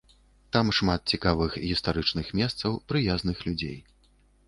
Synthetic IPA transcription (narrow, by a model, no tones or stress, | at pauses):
t̪amʂmat̪̚t͡sʲikavɨxɣʲist̪aɾɨt͡ʂnɨxmʲɛst̪sɐwpɾɨjazn̪ɨxlʲud͡zʲḛj